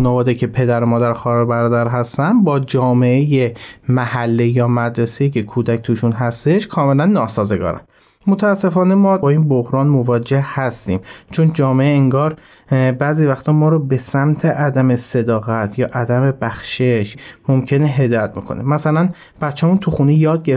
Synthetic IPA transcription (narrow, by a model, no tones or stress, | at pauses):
uːnævɒːd̪ecʰe̞pʰe̞d̪æɾomɒːd̪æɾxɒːɾɑɾbæɾɒːd̪æɾɦæst̪ænd̪bɒːd͡ʒɒːme̞ʔeje̞mæhælːejɒːmæd̪ɾeseiːcʰekʰuːd̪æc̚t̪ʰuːʃunɦæst̪e̞ʃkʰɒːme̞lænːɒːsɒːze̞ɡɒ̰ːɾæ̰n | mot̪ʰææsːe̞fɒːnemɒːbɒːiːnbohɾɒːnmo̞vɒːd͡ʒehhæst̪ḭːmt͡ʃʰond͡ʒɒːmeʔeeŋɡɒːɾ | bæːziːvæxt̪ʰɒːmɒːɾɔːbe̞sæmt̪ʰeʔæd̪æmese̞d̪ɒːɣæt̪ʰjɒːʔæd̪æme̞bæxʃeʃmomcʰe̞neɦe̞d̪ɒːjæt̪̚bekʰo̞̰nemæsælæn | b̥æt̪t͡ʃʰːæmuːnt̪ʰuxunejɒːd̪̚ɟe